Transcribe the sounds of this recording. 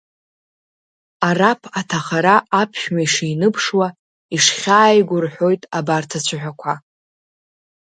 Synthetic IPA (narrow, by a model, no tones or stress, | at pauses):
arapʰatʰaχaɾaʔːpʰʃᶣɥaiʂiːnɨpʰʂwa | iʂχʲaːjɡʷʊrħʷo̞jtʼabartʰat͡ɕʷʰɨħᶣʷakʷʰa